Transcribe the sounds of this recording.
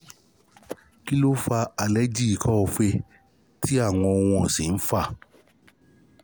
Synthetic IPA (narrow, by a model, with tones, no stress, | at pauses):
ki˦lo˦fa˧a˨lɛ˦d͡ʒi˦i˨kɔ˦o˧fe˧ | ti˦a˦˨w̃ɔ̃˧w̃ɔ̃˧˨si˨n̩˦fa˦˨